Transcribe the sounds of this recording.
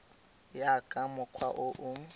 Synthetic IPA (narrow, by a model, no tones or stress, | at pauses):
jakʼamʊkʰwaʔʊʔʊ